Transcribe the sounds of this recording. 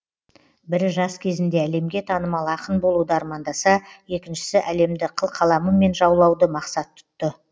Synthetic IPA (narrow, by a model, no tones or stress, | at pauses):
bɪɾʒɑskʲʰe̞zɪnd̪e̞æle̞mɡʲe̞t̪ʰɑnəmɑlˠɑqənbo̞lˠud̪əɑɾmɑnd̪ɑsɑje̞kʲɪnʃɪ̥sɪʔæle̞md̪ɪqʰəlˠqʰɑlˠɑməme̞nʒɑwlˠɑwd̪əmɑqsɑt̪ʰːʊ̥t̪ːə